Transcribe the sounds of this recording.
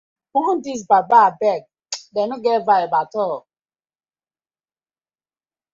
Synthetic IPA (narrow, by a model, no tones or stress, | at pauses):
uɦʊn̩diz̬bababɛɡ̚ | denʊɡevaɪbatɔ